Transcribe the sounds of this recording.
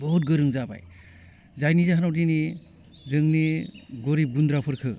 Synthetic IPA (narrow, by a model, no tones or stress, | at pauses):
bɔɦut̚ɡɯɾɯŋzaba̰j | zajnizaɦanawdinizɯŋniɡɔɾibundɾapʰɯɾkʰɯ